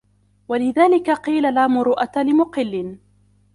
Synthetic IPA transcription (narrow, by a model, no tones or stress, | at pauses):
walɪðaːlɪkaqiːlalaːmʊɾuːʔat̪alɪmʊqɨlːɪn